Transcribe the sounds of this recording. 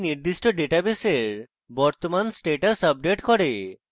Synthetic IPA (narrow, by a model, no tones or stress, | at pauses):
niɾd̪iʃʈoɖeʈabeseɾ | bɔɾt̪omansʈeʈasəb̚ɖeʈkɔɾe